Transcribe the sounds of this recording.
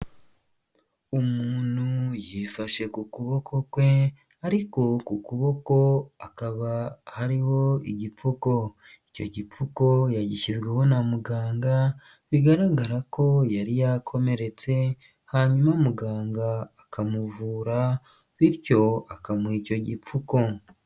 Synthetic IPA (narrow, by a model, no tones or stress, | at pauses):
umuːn̥hujifaʃe̞kukuβo̞kʰo̞kwe̞ | aɾiko̞kukuβo̞ko̞akaβahaɾiho̞iɟipuko̞ | ico̞̰ɟipuko̞jaɟiʃizɡwe̞ho̞namuɡaːŋɡa | βiɡaɾaɡaɾako̞jaɾijakʰo̞me̞ɾe̞t͡se̞ | haɲumamuɡaːŋɡaː | kʰamuvuːɾa | βiɾco̞akamwiːco̞ɟip͡fuko̞